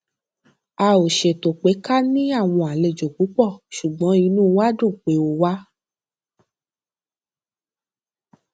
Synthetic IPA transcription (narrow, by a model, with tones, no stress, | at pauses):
a˧o˨ʃe˨to˨k͡pe˨˦ka˦nĩ˦a˦˨w̃ɔ̃˧a˨le˨d͡ʒo˨ku˨˦k͡pɔ˦˨ʃu˨ɡ͡bɔ̃˨˦i˧nũː˦˧wa˦dũ˦˨k͡pe˨˦o˧wa˦